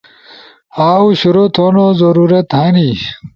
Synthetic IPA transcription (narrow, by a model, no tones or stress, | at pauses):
aːwɕuɾot̪ʰoːnozɐɾuɾɐt̪hani